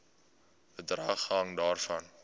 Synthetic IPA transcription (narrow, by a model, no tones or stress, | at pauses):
bədrɐːχɦɐŋdɑːrfɐn